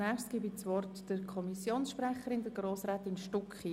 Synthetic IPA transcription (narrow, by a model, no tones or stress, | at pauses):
næχstɡ̥ibit͡sʋɔrtd̥əɾkʰɔmisjoːnsʃprɛχəɾɪndəɡroːsɾɛːtɪnʃtʊkχi